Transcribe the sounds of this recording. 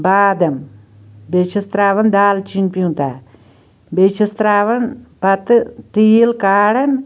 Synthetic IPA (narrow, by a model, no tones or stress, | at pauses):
baːd̪ɐm | bet͡ʃʰist̪ɾaːʋɐnd̪aːlt͡ʃinpjũt̪aː | bet͡ʃist̪ɾaːʋɐnpɐt̪t̪iːlkaːɽɐn